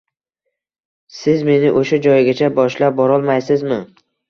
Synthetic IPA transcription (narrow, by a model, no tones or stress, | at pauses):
sɪzme̞nɪʔoʃad͡ʒɒjɡʲat͡ʃʰabɒʃlap̚bɒɾɒlˠmajsɪzmɪ